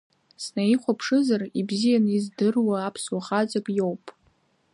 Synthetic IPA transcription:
snaiχʷapʰʂɨzaribzijanizdɨrwaːpʰswaχat͡sʼakʼjowpʼ

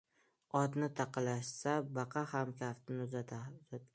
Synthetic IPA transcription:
ɒd̪nɪt̪ʰɑqʰɨlaʃsabɑqʰɑhamkʲʰaft̪ʰɪnɪzat̪ʰaza

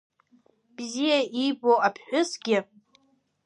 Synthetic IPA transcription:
b̥zijaiboapʰħᶣʊsɡʲɪ

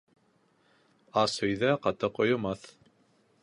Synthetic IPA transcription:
ɑshɵ̆jðæqɑt̪ɤqŏjŏmɑθ

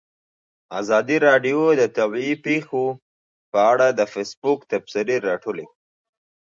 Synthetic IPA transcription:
azɑd̪iɾɑɖijod̪ət̪awiipexo | pəaɽad̪əfesbʊkt̪absɪɾeɾɑʈole

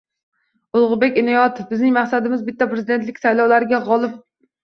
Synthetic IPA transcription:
ʊlˠʁʊbekʲɪnɑjɒt̪ɪfbɪznɪŋmaχsad̪ɪmɪzbɪt̪ːɛpɾɪzɪd̪e̞nt̪lɪkʲsajlˠɒwlˠaɾɪɡʲɛʁɒlˠɪp̚

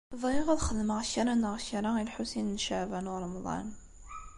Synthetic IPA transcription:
ðˤiʁæðχəðməʁçəɾanəʁçɾailħusinnʃəʕvænʊɾˤɑmðˤɑ̰n

